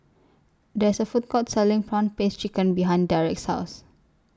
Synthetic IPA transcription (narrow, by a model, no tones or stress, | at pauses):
dɛɪsəfut̚kɔtsɛlɪ̃ŋpɹãnpest͡ʃikə̃nbiɦãɪ̃ndaɹɛk̚thaʊs